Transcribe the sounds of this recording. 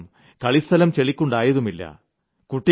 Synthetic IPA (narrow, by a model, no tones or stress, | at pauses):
m | kɐɭist̪ʰɐlɐmt͡ɕeɭikʲːuɳɖaːjɐðumilːɐ̰ | kuʈːi